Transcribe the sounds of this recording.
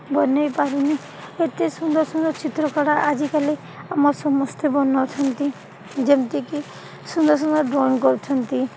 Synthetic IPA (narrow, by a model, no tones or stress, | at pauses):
bɔnːɔjpaɾini | et̪esund̪ɔɾsund̪ɔɾt͡ʃit̪ɾɔkɔɽaʔad͡ʒikali | amɔɾsɔmɔst̪ʰebɔnːɔt͡ʃʰɔnt̪i | d͡ʒemt̪eki | sund̪ɔɾs̬und̪ɔɾɖɾɔnkɔɾut͡ʃʰɔnt̪i